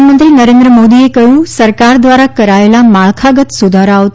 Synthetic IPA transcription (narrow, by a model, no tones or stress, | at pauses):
mənt̪ɾinɐɾẽːnd̪ɾəmoːd̪iekɐjũsɐɾkaːɾd̪ʋaːɾakɐɾaːelamaːɭkʰaɡət̪sʊd̪ʱaːɾaot̪